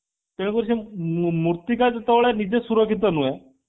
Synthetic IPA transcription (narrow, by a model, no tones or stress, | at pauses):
t̪eɽ̃kəɾɕẽmuɾt̪ikajd͡z̪ət̪əʋɭɛnid͡zesuɾəkit̪̬ənuɛ